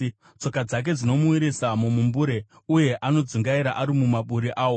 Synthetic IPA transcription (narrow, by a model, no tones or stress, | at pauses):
t͡so̞kad͡zak̬e̞d͡zino̞muwiɾisamumumbuɾe̞ | uje̞ʔano̞d͡zuŋɡaiɾaʔaɾimumaɓuɾiʔaːwo